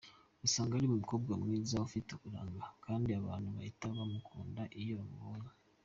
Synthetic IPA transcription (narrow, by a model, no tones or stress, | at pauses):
usaːŋɡaɾimumuko̞bɡamŋiːzaufitekuɾa̰ːŋɡakaːndiaβaːnhuβahitaβamukʰuːndaʔijomoːɲa